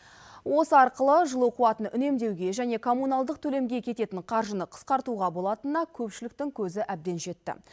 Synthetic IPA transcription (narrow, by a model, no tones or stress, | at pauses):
wo̞səɑɾqəlˠəʒəlˠuoquwɑt̪ənʔʏne̞md̪e̞wɡʲe̞ʒæne̞kʰo̞mːunɑlˠd̪əq̚t̪ʰɵle̞mɡʲe̞kʲʰe̞t̪e̞t̪ɪɴqʰɑɾʒənəqʰə̥sqɑɾt̪uʁɑbo̞lˠɑt̪ənɑkʲʰɵpʃɪlɪk̚t̪ɪŋkʲʰɵzɪʔæb̚d̪e̞nʒe̞t̪ːɪ̰